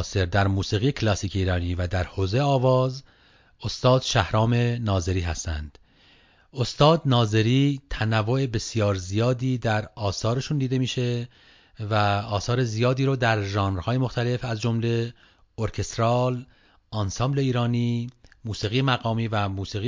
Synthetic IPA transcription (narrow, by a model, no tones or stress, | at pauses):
se̞ɾd̪æɾmuːsiːɣijecʰlɒsiːcʰeiːɾɒːniːvæd̪æɾhoːzejeɒːvɒːz | o̞st̪ɒːd̪̥ʃæhɾɒːme̞nɒːze̞ɾiːɦæst̪æ̰nd̪̥ | o̞st̪ɒːd̪nɒːze̞ɾiːt̪ʰænævːoe̞be̞sijɒːɾzijɒːd̪iːd̪æɾɒːsɒːɾe̞ʃund̪iːd̪e̞miːʃe | væɒːsɒːɾe̞zijɒːd̪iːɾoːd̪æɾʒɑːnɾhɒːje̞mo̞xt̪ʰæle̞fæzd͡ʒomle̞ | oɾkʰe̞st̪ɾɒːl | ɑnsɑːmble̞iːɾɒːnimuːsiːɣijemæɣɒːmiːvæmuːsiːɣi